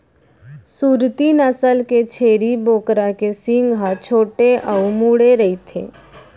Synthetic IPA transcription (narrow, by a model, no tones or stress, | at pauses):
suːɾt̪inəsəlket͡ʃʰeːɾiboːkɾakesɪ̃ŋɡɦat͡ʃʰoːʈeʔəumuɽeɾɐɦit̪ʰḛː